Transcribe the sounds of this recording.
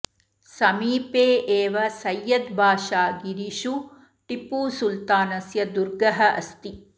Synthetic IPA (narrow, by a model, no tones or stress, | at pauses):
sɐmiːpeːʔeːʋɐsɐjːɐd̪bʱaːʃaːɡiɾiʃu | ʈipuːsult̪aːnɐsjɐd̪uɾɡɐɦɐʔɐ̰st̪i